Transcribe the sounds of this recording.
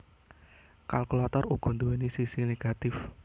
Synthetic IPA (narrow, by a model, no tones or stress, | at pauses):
kalklɔt̪ɔruɡ̥ɔ̤nd̪uwenisisineɡ̥at̪ɪf